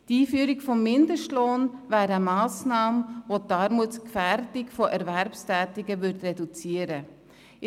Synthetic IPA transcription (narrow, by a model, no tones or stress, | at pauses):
tiːfyəɾɪkfɔmːɪndəʃtloːnvæːɾəəmɑːsnɑːmvotɑɾmutskfæɾtɪkfoʔɛɾvæɾpstɛːtɪɡəvʏɾtrɛdut͡siəɾə